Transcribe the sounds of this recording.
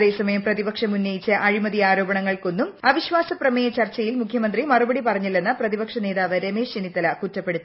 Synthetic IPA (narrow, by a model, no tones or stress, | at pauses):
ðeːsɐmɐjɐmprɐðibɐkʂɐmunːɐjit͡ɕːɐʔɐɻimɐðiaːɾo̞ːbɐɳɐŋːɐɭko̞nːumɐʋiɕʋaːsɐprɐmejɐt͡ɕɐrt͡ɕːɐjilmukʰjɐmɐnd̪rimɐrubɐɽipɐrɐɲːilːe̞nːɐprɐðibɐkʂɐne̞ːðaːʋɐɾe̞meːʂinit̪ːɐlɐkutːɐpːe̞ɽut̪ːu